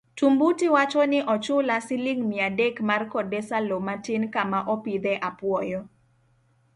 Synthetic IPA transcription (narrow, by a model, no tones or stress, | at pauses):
tumbutiwat͡ʃɔnɪʔɔt͡ʃʊlasɪlɪŋmɪadekmarkɔdɛsalomatɪnkamaʔɔpid̪ɛʔapwɔjɔ